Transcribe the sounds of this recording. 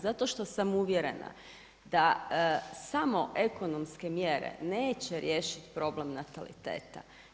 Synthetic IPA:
zat̪o̞ʃt̪o̞samuʋjeɾe̞na̰ | d̪a | samo̞ʔeko̞no̞mske̞mjeɾḛneːt͡ɕeɾje̞ːʃit̪pɾo̞ble̞mnat̪alḭt̪ḛːt̪a̰

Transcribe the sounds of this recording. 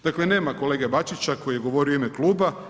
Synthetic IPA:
d̪̥akle̞ne̞ːmako̞leːɡebat͡ʃit͡ɕako̞jijeɡo̞ʋo̞ɾioimeklˠuːba

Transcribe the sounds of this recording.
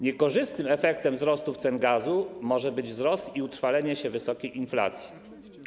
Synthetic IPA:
ɲɛkɔʐɘst̪nɘmɛfɛk̚t̪ɛmvzɾɔst̪uft̪sɛnɡazumɔʐɛbɘd͡ʑvzɾɔst̪iut̪ɾfalɛɲɛɕɛvɘsɔkʲejinfla̰t̪sʲji

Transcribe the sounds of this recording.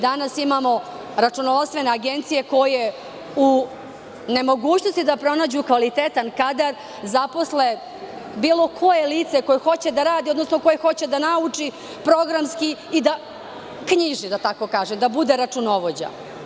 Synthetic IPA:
d̪anasimamo̞ | ɾat͡ʂunoʋost̪ʋe̞ne̞aɡent̪sije̞ko̞jeje | u | ne̞mo̞ɡuːt͡ɕno̞st̪id̪apɾo̞naːd͡ʑukʋalit̪et̪ankad̪aɾ | zapo̞sle | biːlo̞kʰo̞jeliːt̪seko̞jexo̞t͡ɕe̞d̪aɾaːd̪io̞d̪nosnoko̞jexo̞t͡ɕe̞d̪anaut͡ʂi | pɾo̞ɡɾamskiːd̪a | kɲiʒid̪at̪ako̞kaːʒemd̪abud̪e̞ɾat͡ʂuno̞ʋod͡ʑa̰

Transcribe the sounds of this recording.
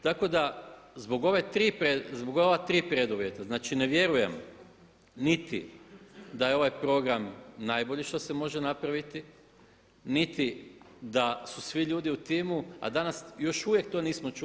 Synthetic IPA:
t̪ako̞d̪azbo̞ɡo̞ʋet̪ɾiːpɾezbo̞ɡoʋat̪ɾiːpɾe̞d̪uʋje̞t̪aznaːt͡ʃine̞ʋje̞ɾuje̞m | nit̪ḭ | d̪ajeo̞ʋajpɾo̞ɡɾamnajbo̞ʎiʃt̪o̞se̞mo̞ʒenapɾaʋit̪i | nit̪i | d̪asusʋiʎuːd̪iut̪iːmua̰d̪anasjo̞ʃuʋje̞kt̪o̞niːsmo̞t͡ʃu

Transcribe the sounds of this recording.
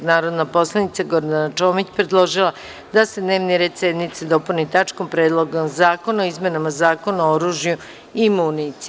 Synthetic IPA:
naːɾo̞d̪napo̞slˠanit̪saɡo̞ɾd̪anat͡ʃoːmit͡ɕpɾed̪lˠo̞ʒilˠa | d̪ase̞d̪ne̞ːʋniɾe̞d̪sed̪nit̪sed̪o̞punit̪at͡ʃkompɾeːd̪lˠo̞ɡomzaːko̞naoizme̞namazaːko̞naooɾuːʒju | imuːnit̪si

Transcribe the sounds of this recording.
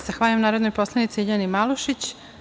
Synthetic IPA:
z̥axʋaːʎuamnaːɾod̪nojpo̞slˠanit̪siiʎanimaluʃit͡ɕ

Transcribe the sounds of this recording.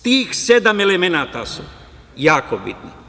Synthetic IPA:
t̪iːxsed̪amelemenaːt̪a̰su | jaːkobit̪nḭ

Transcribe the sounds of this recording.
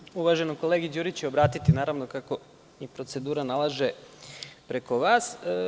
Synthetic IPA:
uʋaʒe̞noko̞leɡid͡ʑuːɾit͡ɕɛobɾaːt̪it̪inaːɾaʋnokako̞ | ipɾo̞t̪se̞d̪uːɾanalˠaʒe̞ | pɾe̞ko̞ʋaːs

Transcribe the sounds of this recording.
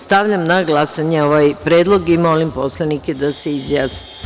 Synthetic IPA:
st̪aʋʎamnaɡlˠasaɲeoʋajpɾe̞ːd̪lˠo̞ɡimo̞limpo̞slˠaniked̪aseizjaːsni̥

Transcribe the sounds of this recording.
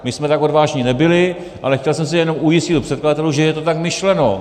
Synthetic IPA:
mɪsmɛt̪ako̞dvaːʒɲɪnɛbɪlɪ | ʔa̰lɛxcɛlsɛms̬ɪjɛno̞mujɪscɪt̪upr̥ɛt̪̚kladat̪ɛluʒɛjɛt̪o̞t̪akmɪʃlɛno̞

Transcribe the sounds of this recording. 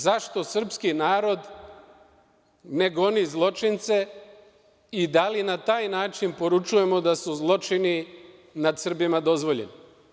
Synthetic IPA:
zaʃt̪o̞sr̩pskinaːɾo̞d̪ | ne̞ɡo̞nizlˠo̞t͡ʃint̪se̞ | id̪alinat̪aːjnaːt͡ʃinpo̞ɾut͡ʃuje̞mo̞d̪asuzlˠo̞t͡ʃininad̪sr̩bimad̪o̞zʋo̞ʎḛni

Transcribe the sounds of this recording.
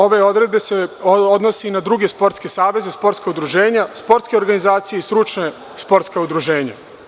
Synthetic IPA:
o̞ʋe̞o̞d̪ɾe̞d̪̚be̞seod̪no̞sinad̪ɾuɡe̞spo̞ɾt̪ske̞saːʋe̞zespo̞ɾt̪skaud̪ɾuʒeːɲaspo̞ɾt̪skeoɾɡanizaːt̪sijeist̪ɾut͡ʃne | spo̞ɾt̪skaud̪ɾuʒe̞ːɲa̰

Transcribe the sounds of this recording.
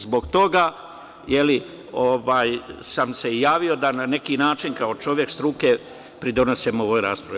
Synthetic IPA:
zbo̞ɡt̪o̞ɡa | jeli | oʋaːjsamse̞jaːʋio̞d̪anane̞kinaːt͡ʃinkao̞t͡ʃo̞ʋje̞kst̪ɾuke̞ | pɾid̪o̞no̞semoʋojɾaːspɾaʋi

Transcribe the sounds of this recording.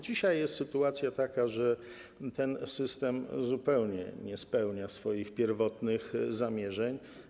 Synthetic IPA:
d͡ʑiɕajːɛst̪sɘt̪uat̪sʲjat̪akaʐɛ | t̪ɛnsɘst̪ɛmzupɛwɲɛ̰ɲɛspɛwɲasfɔjixpʲjɛɾvɔt̪nɘxzamʲjɛʐɛɲ

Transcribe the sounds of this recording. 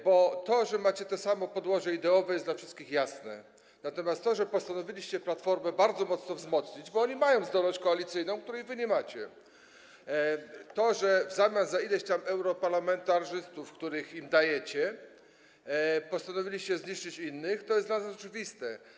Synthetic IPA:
bɔt̪ɔʐɛmat͡ɕɛt̪ɛsamɔpɔd̪wɔʐɛid̪ɛɔvɛjɛsd̪lafʂɘst̪̚kʲixjasnɛ̰ | nat̪ɔmʲjast̪ːɔʐɛpɔst̪anɔvʲilʲiɕt͡ɕɛplat̪fɔɾmɛbaɾd̪zɔmɔt̪snɔvzmɔt̪sɲid͡ʑbɔɔɲimajɔ̃w̃zd̪ɔlnɔɕt͡ɕkɔalʲit̪sɘjnɔ̃w̃kt̪uɾɛjvɘɲɛmat͡ɕɛ | t̪ɔʐɛvzamʲjanzaid̪ɛt͡ɕt̪amɛwɾɔpaɾlamɛnt̪aʂɘst̪ufkt̪uɾɘximd̪ajɛt͡ɕɛ | pɔst̪anɔvʲilʲiɕt͡ɕɛzɲiʂt͡ʂɘt͡ɕinːɘxt̪ɔjɛst̪vasɔt͡ʂɘvʲist̪ɛ

